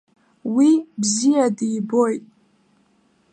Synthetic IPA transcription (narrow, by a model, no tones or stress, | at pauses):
wibzijadiːbo̞jtʼ